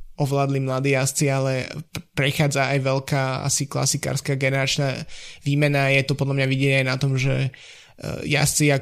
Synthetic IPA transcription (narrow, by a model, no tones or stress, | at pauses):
ɔʋlaːd̪limlad̪iːjast͡sialɛpɾɛxaːd͡zaajʋɛlkaːa̰sikla̰sika̰ːɾskaːɡɛnɛɾat͡ʃnaʋiːmɛnajɛt̪ɔpɔd̪lamɲaʋiɟɛɲajnat̪ɔmʒɛ̰ | ja̰st͡sia